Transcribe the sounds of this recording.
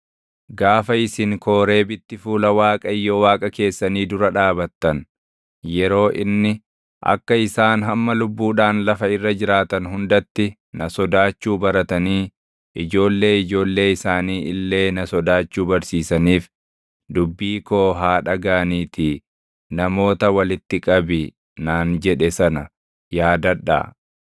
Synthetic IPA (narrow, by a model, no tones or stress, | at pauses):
ɡaːfɐɪsɪŋko̞ːɾe̞ːbɪt̪ːɪfuːlɐwaːkʼɐɪjːɔwaːkʼɐke̞ːsːɐniːd̪ʊɾɐᶑaːbɐt̪ːɐn | jɛɾo̞ːʔɪnːɪ | ʔɐ̰kːɐɪsaːnɦɐmːɐlʊbːuːᶑaːnlɐfɐɪrːɐd͡ʒɪɾaːt̪ɐnɦʊnd̪ɐt̪ːɪ | nɐsɔd̪aːt͡ʃːuːbɐɾɐt̪ɐniː | ʔɪd͡ʒo̞ːlːe̞ːɪd͡ʒo̞ːlːe̞ːɪsaːniːʔɪlːe̞ːnɐsɔd̪aːt͡ʃːuːbɐɾsiːsɐniːf | d̪ʊbːiːko̞ːɦaːᶑɐɡaːniːt̪iː | nɐmo̞ːt̪ɐwɐlɪt̪ːɪkʼɐbɪ | naːnd͡ʒɛᶑɛsɐnɐ | jaːd̪ɐᶑa̰ː